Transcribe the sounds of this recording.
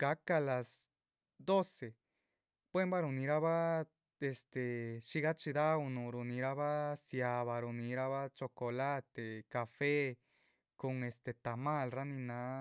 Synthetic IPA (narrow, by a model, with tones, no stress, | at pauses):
ka˧˦ka˧la˨s | d̪o˦se˨ | b̥we˦mba˦ɾu˧nĩ˧ɾa˦βa˦ | e˧st̪e˨ʃi˧ɣa˦t͡ʃi˧d̪a˦u˧nũ˧ɾu˨˧nĩ˧ɾa˦˧βa˦sja˧βa˧ɾu˧nĩ˧ɾa˦βa˦t͡ʃo˧ko˨la˦t̪e˨ka˨fe˦ | ko˧ŋe˧st̪e˧t̪a˨mã˦˧lra˦nĩ˧nã˧˦